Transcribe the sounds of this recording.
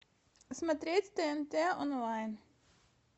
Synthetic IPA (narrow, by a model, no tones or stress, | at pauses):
smɐt̪ɾet̪ʲt̪eɛmt̪eːʔɔnlɑɪn